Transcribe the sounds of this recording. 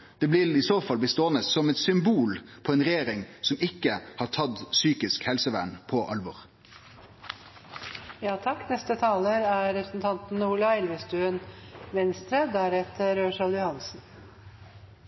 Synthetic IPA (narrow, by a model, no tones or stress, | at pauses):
d̪̥ɛːblɪlɪsoːfɑlbəst̪oːnət̪sɔmɛt̪sʏmbuːlpʰɔɛːnʁɛjeːɾɪŋsɔmɪkːəhɑːʈʰɑd̪syːkɪskhɛlsəʋæ̰ːɳpʰɔʔɑ̰lʋɔɾ | jɑːt̪ʰɑkːnɛst̪ət̪ʰɑːləɾæɾɾɛpɾəsn̩t̪ʰɑnt̪n̩uːlɑɛlʋəst̪ʉənʋɛnst̪ɾəd̪æɾɛt̪əɾøːʂɑljʊhɑnsn̩